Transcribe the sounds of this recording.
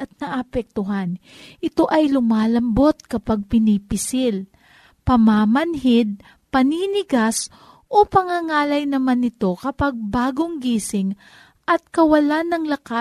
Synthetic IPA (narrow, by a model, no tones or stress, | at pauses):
ɐt̪̚nɐʔɐpɛk̚t̪ʊɦan | ʔɪt̪o̞ʔɐjlʊmaːlɐmbo̞t̪̚kɐpaɡ̚pɪnipɪsɪl | pɐmaːmɐnɦɪd̪̚ | pɐniːnɪɡas | ʔo̞pɐŋaŋaːlɐjnɐmanːɪt̪o̞kɐpaɡ̚baːɡoŋɡiːsɪŋ | ʔɐt̪̚kɐwɐlanːɐŋlɐka